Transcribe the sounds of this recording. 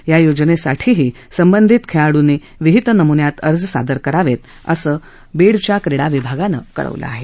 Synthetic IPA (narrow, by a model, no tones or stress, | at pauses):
jajod͡ʑnesaʈʰiːɦiː | səmbənd̪ʱit̪kʰeɭaɽune | ʋiɦit̪nəmunjat̪əɾd͡zsa̰d̪əɾkəɾaʋet̪ | əsəː | beɽt͡ɕjakɾeɽaʋibʱaɡanə̰kə̰ɭə̰ʋlʔə̰a̰ɦe